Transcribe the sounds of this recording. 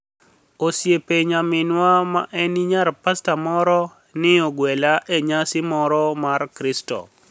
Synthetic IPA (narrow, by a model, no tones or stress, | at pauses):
osjepeɲamɪnwama̰ʔɛniɲaɾpastamɔɾɔ | nɪoɡwɛlaʔeɲasɪmɔɾɔmarkɾɪstɔ̰